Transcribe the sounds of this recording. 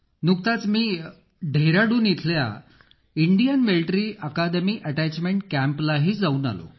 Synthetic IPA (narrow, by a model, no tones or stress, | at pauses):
nukt̪at͡smiː | ɖʱeɾaɽuːnjit̪ʰlja̰ | iɳɖijənmilʈɾiːəkad̪emiːʔəʈæt͡ɕmeɳʈkæ̃mplaɦiːd͡zauːna̰lo̰